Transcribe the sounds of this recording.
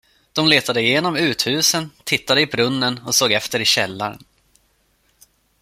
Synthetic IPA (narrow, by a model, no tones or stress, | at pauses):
d̪̥ɔmleːt̪ad̪əɪjeːnɔmʉ̟ːt̪hʉ̟ːsənt̪ʰɪt̪ːad̪əɪbɾɵnːənɔsoːɡɛft̪əɾɪɕɛlːaɾə̰n